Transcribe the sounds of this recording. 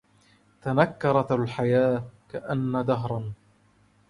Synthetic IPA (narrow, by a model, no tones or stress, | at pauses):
t̪anakːɑɾˤɑt̪alħajaːkaʔanːad̪aɦɾˤɑn